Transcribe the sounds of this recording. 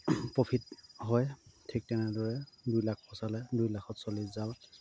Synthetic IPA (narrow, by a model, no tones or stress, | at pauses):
pɹopʰitɦɔjtʰik̚tɛnɛdɔɹɛdujlak̚ʰpʰɔsalɛdujlakʰɔtsoliszaw